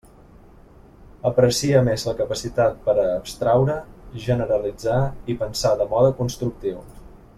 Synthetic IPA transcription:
əpɾəsiəmezləkəpəsit̪at̪̚pəɾəːpst̪ɾawɾəʒənəɾəlid͡zaipənsaðəmɔðəkunst̪ɾuk̚t̪iw

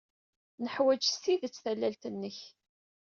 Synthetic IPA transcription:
nəħwæd͡ʒsiðət͡sːθælːælt̪ənːəç

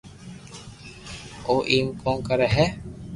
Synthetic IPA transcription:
oːʔiːmkõːkəɾɛɦɛː

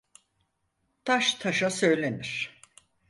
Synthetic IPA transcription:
t̪ʰaʃt̪ʰaʃasø̞jlʲe̞niɾ̥

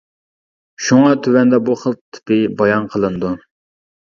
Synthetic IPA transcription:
ʃuŋɑt̪ʰywɛnd̪ɑbuχəlˠt̪ʰːɪ̥pɪbɑjɑnqʰəlˠɨnd̪u

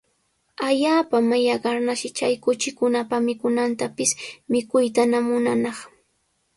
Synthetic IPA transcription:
aʎaːpamajaɢɑɾnaʃɪt͡ʃajkʊt͡ʃɪkʊnapamɪkʊnant̪apɪsmɪkʊjt̪anamʊnanɑχ

